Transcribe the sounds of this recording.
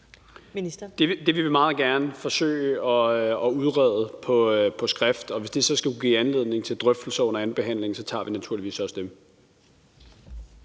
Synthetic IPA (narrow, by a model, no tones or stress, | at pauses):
d̥e̝d̥e̝ʋeʋe̝mɑ̈ːð̩ˠɡ̥æɐnəfɒ̽sø̰ːɪəɒ̽ɒ̽uð̞ˠʁɛðˠəpʰɒ̽pʰɒ̽sɡ̥ʁafd̥ɒ̽ʋe̝sd̥e̝sɒ̽sɡ̥æuɡ̥ḭːænle̝ð̞ˠne̝ŋt͡sʰe̝ld̥ʁœfd̥l̩sɐɔ̽n̰ɐænb̥e̝ɦæn̰le̝ŋ̩sɒ̽t͡sʰɑ̰̈ːʋinæt͡sʰuɐ̰liʋḭːsɒ̽sd̥em